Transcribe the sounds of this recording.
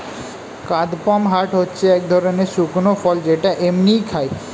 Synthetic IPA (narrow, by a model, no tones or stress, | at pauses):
kad̪pɔmɦaʈɦotːɕʰeɛk̚d̪ʱɔɾoneɾʃuknofɔld͡ʑeʈaʔemnijkʰae